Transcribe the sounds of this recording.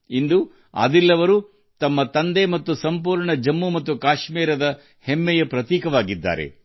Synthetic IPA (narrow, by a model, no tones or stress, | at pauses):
ind̪u | ɐ̰d̪ilːɐʋɐɾu | t̪ɐmːɐt̪ɐnd̪emɐt̪ːusɐmpuːɾɳɐd͡ʒɐmːumɐt̪ːukaːʃmiːɾɐd̪ɐ | hemːɛjɐpɾɐt̪iːkɐʋaːɡid̪ːa̰ːɾe̞̰